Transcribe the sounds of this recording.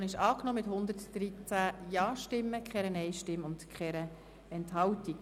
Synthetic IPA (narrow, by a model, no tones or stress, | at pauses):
nɪʃɑːknɔmɪthʊnd̪ətd̥ɾit͡sæjɑːʃtɪmːəkχɛɾənɛɪʃtɪmʊntkχɛɾə | ɛntɦɑwtik